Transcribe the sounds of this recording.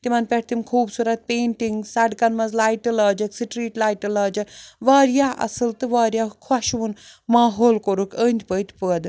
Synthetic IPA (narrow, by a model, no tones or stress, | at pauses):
t̪imɐnpeʈt̪imkʰuːbsuɾɐt̪̚peːɳʈiŋɡsɐɖkɐnmɐzlaːjʈɨlaːd͡ʒɐksiʈɾiːʈlaːjʈɨlaːd͡ʒɐʋaːɾjaːʔɐ̰sɨlt̪ɨʋaːɾjaːkʰɔʃʋunmaːɦoːlkoɾukʰənʲd̪ʲpət̪ʲpəd̪